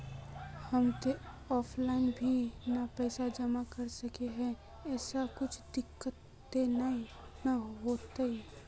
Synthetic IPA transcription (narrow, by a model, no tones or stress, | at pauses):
hɐmt̪e | ɔːpʰlaːɪnbʱinapɛːsad͡ʒɐmakɐɾsɐkeɦɛ̃ | ɛːsakʊt͡ʃʰd̪ɪkːət̪ː | enai | naɦoːt̪ai